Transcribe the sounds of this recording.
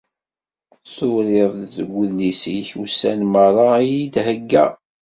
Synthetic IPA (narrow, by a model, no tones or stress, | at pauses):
θʊɾeðˤðəɡʷːəðnisiçusːænmərˤɑjid̪həɡːæ̰